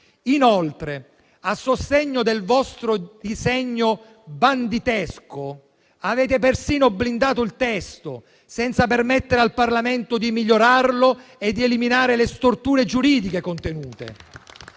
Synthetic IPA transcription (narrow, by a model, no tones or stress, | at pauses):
inolt̪ɾe | asːost̪eɲːod̪elvɔst̪ɾod̪izɛɲːo | band̪it̪ɛsko | aveːt̪epersiːnoblind̪aːt̪oilt̪ɛst̪o | sɛnt̪sapermɛt̪ːeɾealparlament̪ʊd̪imiʎːoɾarloed̪ːieliminaːɾelest̪ort̪uːɾed͡ʒuɾiːd̪ikekont̪enuːt̪ḛ